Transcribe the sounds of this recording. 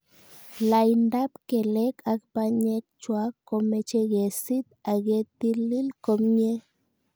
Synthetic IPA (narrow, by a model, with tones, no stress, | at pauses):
la˧jnd̪a˦pke˨le˦kʰa˧k̚pa˧ɲe˧k̚t͡ʃwa˦kːo˧me˧t͡ʃe˧ɡe˨si˦t̪̚a˨ɡe˧t̪i˦li˦lko˧mɲe˦